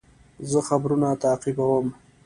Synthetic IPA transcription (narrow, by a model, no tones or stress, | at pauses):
zəxabɾunat̪aːqibawəm